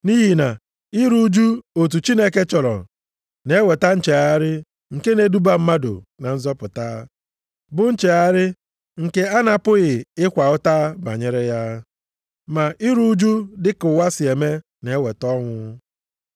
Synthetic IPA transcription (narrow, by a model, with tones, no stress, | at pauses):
ni˦ɦi˨na˨ | ɪ˦ɾu˦d͡ʒu˦o˨t̬u˨t͡ʃi˦ne˦ke˦t͡ʃɔ˨ɾɔ̰˨ | ne˨˦we˨ta˦n̩˨t͡ʃe˨a˦ɾɪ˦ | ŋ̩˨ke˦ne˨˦du˦ba˦m̩˦ma˦do̰˨na˨n̩˦zɔ˦pʊ˨ta˦ | bʊ˦n̩˦t͡ʃe˨a˦ɾɪ˦ | ŋ̩˨ke˦a˦na˨pʊ˦ɣɪ˨ɪ˦kʷa˨ʊ˦ta˦ba̰˨ɲe˦ɾe˦ja˦ | ma˨i˦ɾu˦d͡ʒu˦dɪ˦kʊ˨wa˦sɪ˨e˨me˦ | ne˨˦we˨tɔ˦ŋʷʊ˦